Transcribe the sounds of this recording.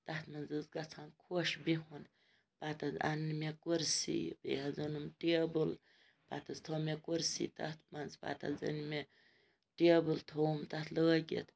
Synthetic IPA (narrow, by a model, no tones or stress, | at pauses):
t̪ɐt̪mɐnzɨzɡɐt͡sʰankʰuʃbiɦun | pat̪ɐzɐ̰nːmekuɾsḭbḛɐzɨnumʈebɨl | pa̰t̪ɨzt̪ʰomekuɾsḭt̪ɐ̰t̪ʰmɐnzpa̰ːt̪ɐ̰zɐ̰nme | ʈebɨlt̪ʰoːmt̪ɐt̪ʰləːɡʲḛt̪